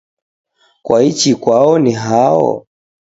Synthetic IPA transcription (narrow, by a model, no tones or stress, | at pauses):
kwait͡ʃikwaɔniɦaɔ̰